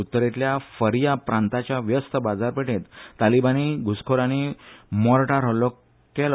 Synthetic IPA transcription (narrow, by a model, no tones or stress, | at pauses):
ut̪ːəɾet̪ljafəɾjapɾãnt̪at͡ɕjaʋjəst̪əbad͡zaɾpəʈet̪ːalibañiɡʱuskʰoɾaɽ̃imɔɾʈaɾɦəlɔ | kɛl